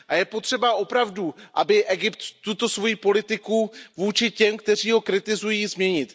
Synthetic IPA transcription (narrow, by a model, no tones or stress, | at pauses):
ʔajɛpot̪r̝̥ɛbaʔo̞pɾavduʔa̰bɪʔɛɡɪpt̪ːut̪o̞svo̞jiːpo̞lɪt̪ɪkuvuːt͡ʃɪcɛmkt̪ɛr̝iːɦo̞kɾɪt̪ɪzujiːzmɲɛɲɪt̪